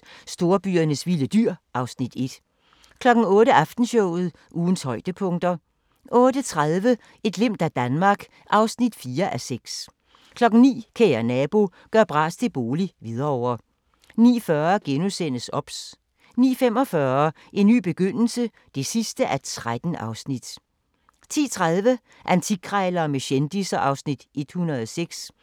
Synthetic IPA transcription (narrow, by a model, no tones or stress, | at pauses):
sd̥o̝ːɐb̥y̰ːɐnəsʋiləd̥yɐ̰ʔɑ̈ʊsnid̥e̝d̥ | kʰlɒ̽ɡ̥n̩ɔ̽ːɾəʔɑfd̥n̩ɕɔʊ̰ð̞̩ˠ | ʔuːn̩shɒ̽ɪ̰d̥əpʰɔ̽ŋd̥ɐ | ʔɔ̽ːd̥ət͡sʰʁaðˠʋə | e̝d̥le̝m̰d̥æd̥ænmɑ̈ːɡ̥ | ʔɑ̈ʊsnid̥fiːɐʔæseɡ̥s | kʰlɒ̽ɡ̥ŋ̩nḭːkʰeɪɐnɛb̥o̝ | ɡ̥ɶɐb̥ʁɑ̰̈ːst͡sʰe̝b̥o̝ːliʋið̞ˠɐɒʊ̰ɐ | nḭːfɶɐɡ̥enusen̰əsɒ̽b̥s | nḭːfem̰ɒ̽fɶːɐ | ʔe̝nːy̰ːb̥e̝ɡ̥øn̰l̩sə | d̥e̝sisd̥əʔæɐd̥t͡sʰʁad̥n̩ʔɑ̈ʊsnid̥ | t͡sʰḭːt͡sʰʁað̞ˠʋə | ʔænt͡sʰiɡ̥ʰʁɑɪlɐːmeɕend̥isɐʔɑ̈ʊsnid̥ʔe̝d̥hunɐð̩ˠɒseɡ̥s